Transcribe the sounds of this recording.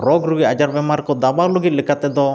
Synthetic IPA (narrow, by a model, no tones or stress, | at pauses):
ɾɔɡɾuɡiad͡ʒaɾbɛmaɾkɔd̪abalɔɡit̪̚likat̪ɛd̪ɔ